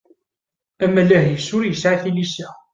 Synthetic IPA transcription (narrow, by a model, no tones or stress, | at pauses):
æmælæhjəsːʊɾjəsʕaθilisæ